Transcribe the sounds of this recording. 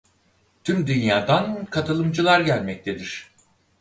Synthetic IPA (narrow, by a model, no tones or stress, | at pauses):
t̪ʰymd̪ynjaːd̪ankʰat̪ʰɯlˠɯmd͡ʒɯlˠaɾɟælʲmɛc̚t̪ʰed̪iɾ̥